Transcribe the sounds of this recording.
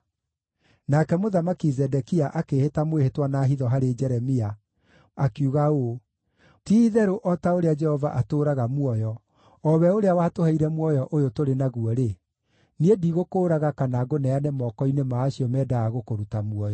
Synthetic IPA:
nakɛmoðamakizɛdɛkiaʔakehetamwehetwanaːɦiðɔɦaɾed͡ʒɛɾɛmia | akjuɣao | tiːðɛɾoʔɔtaoɾead͡ʒɛhɔva̰ʔatoːɾaɣamwɔjɔ | ɔβɛoɾeawatohɛiɾɛmwɔjɔʔojotoɾenaɣuɔɾe | niediɣokoːɾaɣakanaɡonɛanemɔːkɔinemaːʃiɔmɛːdaaɣokoɾutamwɔjɔ

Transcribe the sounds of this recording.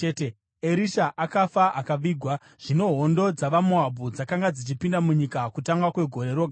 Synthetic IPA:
ete | eɾiʃaʔakafaʔakaʋiːɡʱwa | ʐ̥ino̞ɦo̞ndo̞d͡zaʋamoabʱud͡zakaŋɡad͡zit͡ʃipindamuɲikakutaŋɡwakwe̞ɡʱo̞ɾe̞ɾo̞ɡʱa

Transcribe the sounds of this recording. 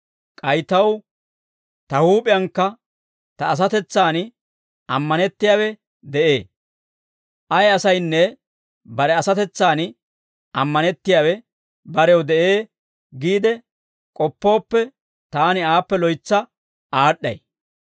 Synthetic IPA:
kʼɐjt̪ɐw | t̪ɐhuːpʼɪjɐŋkːɐ | t̪ɐːs̬ɐt̪ɛt͡sːaːn | ɐmːɐnɛt̪ːɪjaːwɛ | d̪ɛʔeː | ʔɐjɐsɐjnːɛ | bɐɾɛɐsɐt̪ɛt͡sːaːn | ɐmːɐnɛt̪ːɪjaːwɛ | bɐɾɛwd̪ɛʔeː | ɡiːd̪ɛ | kʼɔpːo̞ːpːɛ | t̪aːnɪaːpːɛlɔjt͡sːɐ | ʔaːɗːɐ̰j

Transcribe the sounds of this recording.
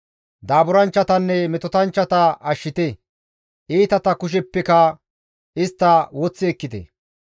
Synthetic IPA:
d̪aːbʊɾɐnt͡ʃːɐt̪ɐnːɛmɛt̪ɔt̪ɐnt͡ʃːɐt̪ɐʔɐʃːɪt̪ɛ | ʔiːt̪ɐt̪ɐkʊʃ̬ɛpːɛkɐ | ɪst̪ːɐwɔt͡sːɪɛkːɪt̪ɛ̰

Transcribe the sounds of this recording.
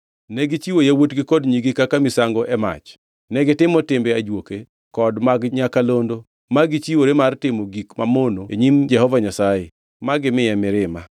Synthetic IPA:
nɛɡɪt͡ʃiwojawotɡɪkɔdɲiɡɪkakamɪsaŋɡɔʔɛma̰t͡ʃ | nɛɡɪtɪmɔtɪmbɛad͡ʒwoke | kɔdmaɡɲakalondo | maɡit͡ʃiwoɾemartɪmoɡikmamonoeɲimd͡ʒɛhɔvaɲasaje | maɡɪmɪjɛmɪɾɪma

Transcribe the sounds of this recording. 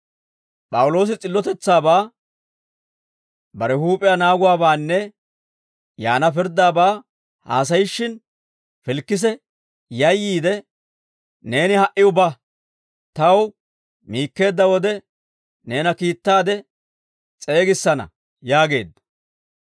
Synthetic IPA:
pʼɐwʊlo̞ːs̬ɪt͡sʼɪlːɔt̪ɛt͡sːaːbaː | bɐɾɛhuːpʼɪjanaːɡʊwaːbaːnːɛ | jaːnɐp̬ɪɾd̪aːbaː | ha̰ːs̬ɐjɪʃːɪn | fɪlkːɪs̬ɛ | jɐjːiːd̪ɛ | ne̞ːnɪhɐʔɪʊbɐ | t̪ɐw | miːkːe̞ːd̪ːɐwɔd̪ɛ | ne̞ːnɐkiːt̪ːaːd̪ɛ | t͡sʼe̞ːɡɪsːɐnɐ̰ | jaːɡe̞̰ːd̪ːɐ

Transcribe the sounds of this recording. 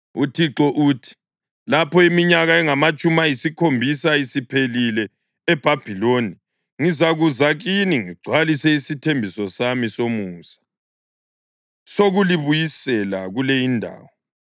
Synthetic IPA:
utʰiǁɔʔuːtʰi̥ | lapʰɔimiɲaɣaɛŋamat͡ʃʼumajisikʰombʱisaisipʰelilɛː | b̥ʱab̥ʱiloni | ŋizaɣuzaɣiniŋiɡ͡ǀʱwalisɛisitʰembʱisɔsamisomuːsḁ | soɣuliβujisɛlaɣulejindʱa̰ːwɔ

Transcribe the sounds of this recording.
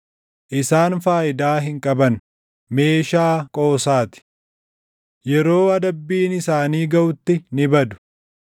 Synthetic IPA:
ʔɪsaːnfaːʔɪd̪aːɦɪŋkʼɐbɐn | me̞ːʃaːkʼo̞ːsaːt̪ɪ̥ | jɛɾoːɐd̪ɐbːiːnɪsaːniːɡɐʔʊt̪ːɪnɪbɐd̪ʊ̥

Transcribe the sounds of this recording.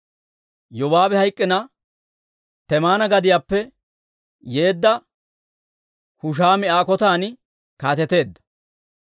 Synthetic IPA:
jɔwaːbɛhɐjkʼːɪnɐ | t̪ɛmaːnɐɡɐd̪ɪjaːpːɛ | je̞ːd̪ːɐ | hʊʃ̬aːmɪaːkɔt̪aːn | kaːt̪ɛt̪e̞ːd̪ːɐ̥

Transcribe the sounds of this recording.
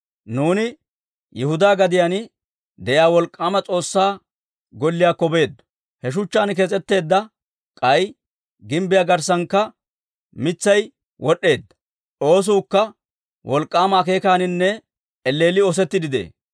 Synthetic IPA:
nuːnɪ | jɛhʊd̪aːɡɐd̪ɪjan | d̪ɛjaːwɔlkʼːaːmɐt͡sʼo̞ːsːaː | ɡɔlːɪjaːkːɔbe̞ːd̪ːɐ̥ | hɛʃ̬ʊt͡ʃːaːnk̬ɛt͡sʼɛt̪ːe̞ːd̪ːɐ | kʼɐj | ɡɪmbɪjaːɡɐɾs̬ɐŋkːɐ | mɪt͡sːɐj | wʔɔɗːe̞ːd̪ːɐ | o̞ːs̬ʊːkːɐ | wʔɔlkʼːaːmaːke̞ːkaːnɪnːɛ | ɛlːe̞ːlɪɔs̬ɛt̪ːɪd̪ɪd̪ḛː

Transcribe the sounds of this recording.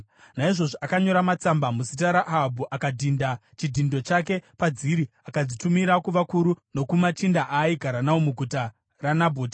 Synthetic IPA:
naiʐo̞ʐoakaɲo̞ɾamat͡sambamusit̬aɾaʔabʱuʔakadʱindat͡ʃidʱindo̞t͡ʃak̬e̞pad͡ziɾi | akad͡zitumiɾakuʋakuɾuno̞kumat͡ʃindaʔaiɡʱaɾanawomuɡʱuta | ranabʱoːtḁ

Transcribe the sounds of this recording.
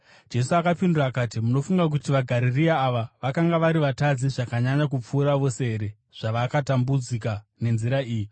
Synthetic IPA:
d͡ʒe̞suakapinduraːkaːtimuno̞fuŋɡak̬utiʋaɡʱaɾiriaːʋaʋakaŋɡaʋaɾiʋatad͡ziʐakaɲaɲakup͡fuːɾaʋo̞se̞ɦeɾe̞ | ʐ̥aʋakatambud͡zikane̞nziɾaiːji

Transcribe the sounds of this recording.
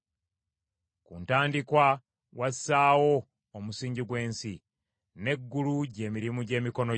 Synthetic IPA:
kṵːntaːndikwa | wassaːwo̞ː | musiːɲɟiɡwe̞ːnsi | ne̞ɡːuluɟe̞ːmiɾimuɟe̞ːmiko̞no

